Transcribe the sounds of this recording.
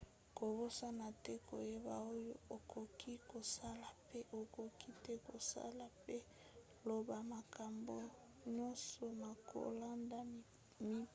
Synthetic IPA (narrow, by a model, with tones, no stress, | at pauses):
ko˨bo˦sa˦na˨tɛ˦ko̰˨je˦ba˨o˦jo˦o˨kʰo˨kʰi˦ko˨sa˦la˨pe˦ʔo˨ko˨ki˦tɛ˦ko˨sa̰˦la˨pe˦ | lo˨ba˨ma˨ka˨mbo˨˦ | ɲɔ˦nsɔ˨ma˨kʰo̰˨la˦nda˨ | mi˦